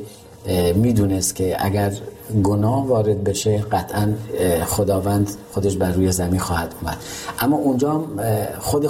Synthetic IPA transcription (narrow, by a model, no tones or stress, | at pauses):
miːd̪uːnest̪kʲʰeʔæ̰ɡæɾ | ɡonɒːhvɒːɾed̪̚be̞ʃeɢæt̪ʰænxod̪ɒːvænd̪χod̪eʃbæɾːuːjezæminxɒːhæd̪umæ̰d̪̥ʔæmːɒːʔund͡ʒɒːmχod̪e